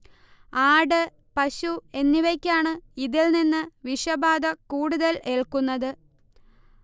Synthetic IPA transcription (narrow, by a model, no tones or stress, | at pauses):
aːɽɨ | pɐɕue̞nːiʋɐkʲːaːɳɨiðilninːɨʋiʂɐbaːd̪ɐkuːɽuðɐle̞ɭkunːɐðɨ